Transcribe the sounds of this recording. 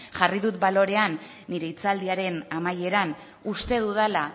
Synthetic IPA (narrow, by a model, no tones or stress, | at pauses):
ʝariðut̪balo̞ɾe̞anː | iɾe̞it͡sald̪iaɾe̞namaje̞ɾan | ust̪e̞ðuð̞ala